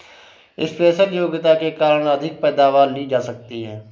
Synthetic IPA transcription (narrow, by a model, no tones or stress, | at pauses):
ɪ̰sfɛːsəljoːɡɪt̪akekaːɾəɽ̃əd̪ʱɪk̚pɛːd̪aːʋaːɾliːd͡ʒaːsək̚t̪iɦɛː